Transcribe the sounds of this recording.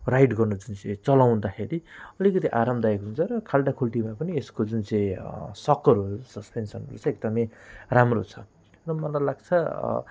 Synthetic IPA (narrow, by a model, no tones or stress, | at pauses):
rajʈɡʌrnud͡zunt͡sʌĩt͡sʌlaw̃nd̪akʰeɾiʌlikʌt̪iʔaɾʌmbd̪aekɦunt͡sʰʌɾʌkʰalɖakʰulʈimapʌnieskod͡zunt͡sʌĩsʌkːʌɾuɦsʌspensʌnɦʌɾṵt͡sʰʌek̚d̪ʌmeramrot͡sʰʌ | rʌmʌlajlaɡ̚t͡sʰʌ̰